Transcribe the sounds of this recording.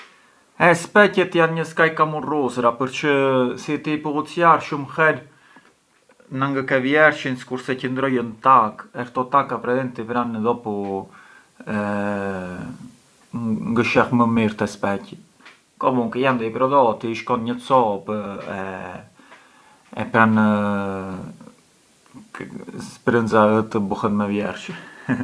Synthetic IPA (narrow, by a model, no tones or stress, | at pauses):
ɛspɛcɛt̪janɲəskajkamurusɾapəɾt͡ʃəsit̪ipuut͡sjaɾʃumxɛl | naŋɡəkɛvjɛɾʃinsi̥kuɾsɛcənd̪ɾɔjənt̪akɛɾt̪ɔt̪akapɾɛðɛnt̪ipɾanðɔpu | ɛ | ŋɡəʃɛxməmiɾt̪ɛspɛci | kɔmuŋkəjand̪ɛipɾɔðɔt̪iiʃkɔnɲət͡sɔpɛ | pɾan | spɾənzaət̪əbuhənmɛvjɛɾʃin